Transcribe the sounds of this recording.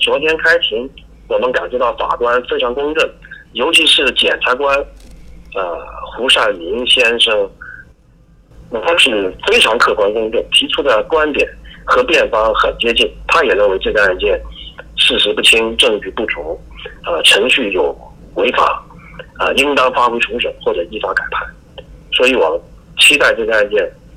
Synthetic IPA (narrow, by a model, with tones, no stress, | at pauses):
t͡swɔ˧˥t̪ʰjɛ˥nkʰa˥ɪt̪ʰi˧˥ŋ | wɔ˨˩mə˦nka˨˩nt͡ɕɥɛ˧˥t̪ɑ˥˩ʊfa̰˨˩kwa˥nfe˥ɪʈ͡ʂʰɑ˧˥ŋkʊ˥ŋʈ͡ʂə˥˩ŋjo˧˥ʊt͡ɕʰi˧˥ʂɻ̩˥˩t͡ɕjɛ̰˨˩nʈ͡ʂʰa˧˥kwa˥n | ə˧xu˧˥ʂa˥˩mi˧˥ŋɕjɛ˥nʂɤ˥ŋ | na˥˧˩t̪ʰa˥ʂɻ̩˥˩fe˥ɪʈ͡ʂʰɑ˧˥ŋkʰɤ˥˩kwa˥nkʊ˥ŋʈ͡ʂə˥˩ŋt̪ʰi˧˥ʈ͡ʂʰu˥d̪ə˨kwa˥nt̪jɛ̰˨˩˦nxɤ˧˥pjɛ˥˩nfɑ˥ŋxə˨˩nt͡ɕjɛ˥t͡ɕi˥˩nt̪ʰa˥jɛ˨˩ɻə˥˩nwe˧˥ɪʈ͡ʂɤ˥˧˩ɡə˧a˥˧nt͡ɕjɛ˥˩nʂɻ̩˥˩ʂɻ̩˧˥pu˥˩t͡ɕʰi˥ŋʈ͡ʂɤ˥˧ŋt͡ɕy˥˧pu˥˩ʈ͡ʂʰu˧˥ŋ | ə˧ʈ͡ʂʰɤ˧˥ŋɕy˥˩jo˨˩ʊ | we˧˥ɪfa̰˨˩˦ə˧i˥ŋt̪ɑ˥ŋfa˥xwe˧˥ɪʈ͡ʂʰu˧˥ʂə̰˨˩˦ŋxwɔ˥˩ʈ͡ʂɤ˨˩i˥˩fa˥ka˨˩ɪpʰa˥˩n | swɔ˧˥i˧˥wɔ̰˨˩mə˦n | t͡ɕʰi˥t̪a˥˧ɪʈ͡ʂɤ˥˩ɡə˧a˥˧nt͡ɕjɛ˥˩n